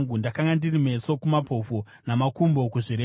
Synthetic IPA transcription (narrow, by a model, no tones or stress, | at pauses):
ŋɡundakaŋɡandirime̞so̞kumapʰo̞vo | namakumbo̞kuʐiɾe